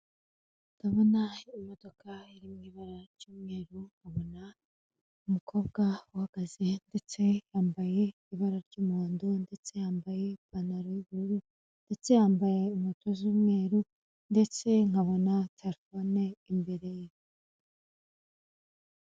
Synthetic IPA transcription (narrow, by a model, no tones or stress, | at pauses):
ŋɡaβo̞naimo̞do̞kʰaiɾimɲiβaɾaɾɟ̥uːmŋe̞ːɾuŋ̥ɡaβo̞na | umukʰo̞ːbɡauhaɡ̥aze̞nde̞t͡se̞jaːmbaje̞iβaɾaɾɟuːmuːndunde̞t͡se̞haːmbaje̞panaɾojiβuɾu | nd̥e̞t͡se̞haːmbaje̞umotʰozuːmŋe̞ːɾu | nde̞t͡se̞ŋ̥aβo̞natʰelfoneimbe̞ɾe̞ji